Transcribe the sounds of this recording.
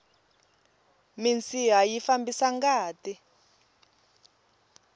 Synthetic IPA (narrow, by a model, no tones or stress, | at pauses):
mint͡siɦajifambisaŋɡaːti